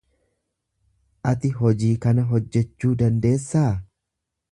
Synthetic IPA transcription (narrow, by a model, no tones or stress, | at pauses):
ʔɐt̪ɪɦɔd͡ʒiːkɐnɐɦɔd͡ʒːɛt͡ʃːuːd̪ɐnd̪e̞ːsːaː